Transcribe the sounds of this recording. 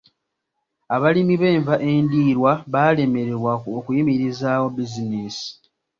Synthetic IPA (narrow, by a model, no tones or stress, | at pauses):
aβalimiβe̞ːɱvaʔe̞ːndiːɾwaβaːle̞me̞ɾeβwaokujimiɾizaːwo̞biziniːsi̥